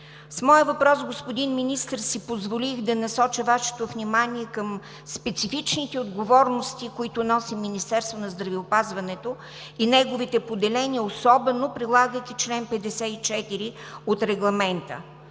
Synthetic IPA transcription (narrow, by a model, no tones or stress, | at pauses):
smɔjəvɐpɾɔsɡospod̪inminist̪əɾsipozvolixd̪ɐnɐsɔt͡ʃəvaʃɛ̥t̪ovnimaniɛkəm | spɛt̪sifit͡ʃnit̪ɛod̪ɡovɔɾnost̪ikoit̪ʊnɔsimːinist̪ɛɾst̪vonɐzd̪ɾɐviopazvɐnɛt̪o | inɛɡovit̪ɛpod̪ɛlɛniəosɔbɛnopɾilˠaɡəjkʲit͡ʃlɛnpɛd̪ɛsɛit͡ʃɛt̪iɾi | ot̪ɾɛɡlˠɐmɛnt̪ə̰